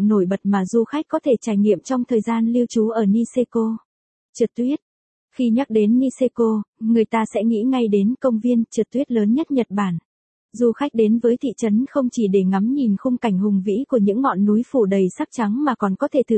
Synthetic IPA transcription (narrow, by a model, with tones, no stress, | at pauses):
no˧˩jɓə˨˩t̚maː˨˩zu˧xa˦˥jk̚kɔ˨˦t̪ʰe˧˩t͡ɕaː˧˩jŋḭ˧˨əmt͡ɕɔ˧wŋ͡mt̪ʰəː˨˩jzaː˧nli˧əwt͡ɕu˨˦ʔəː˧˩ni˧se˧ko˧ | t͡ɕɨ˨˩t̚t̪wi˦˥ət̚ | xi˧ɲa˦˥k̚ɗe˨˦nːi˧se˧ko˧ŋɨ˨˩əjt̪aː˧sɛ̰˧˥ŋḭ˧˥ŋa˧jɗe˨˦nkə˧wŋ͡mvi˧ənt͡ɕɨ˨˩t̪wi˦˥ət̚ləː˨˦nɲə˦˥t̚ɲə˨˩t̚ɓaː˧˩n | zu˧xa˦˥k̟̚ɗe˨˦nvəː˨˦jt̪ʰḭ˧˨t͡ɕə˨˦nxə˧wŋ͡mt͡ɕi˧˩ɗe˧˩ŋa˨˦mɲi˨˩nxʊ˧ŋ͡mka˧˩jŋ̟hʊ˨˩ŋ͡mvḭ˧˥ku˧˩əɲɨ̰˧˥ŋːɔ̰˧˨nːu˨˦jfu˧˩ɗə˨˩jsa˦˥k̚t͡ɕa˨˦ŋmaː˨˩kɔ˨˩nkɔ˨˦t̪ʰe˧˩t̪ʰɨ˨˩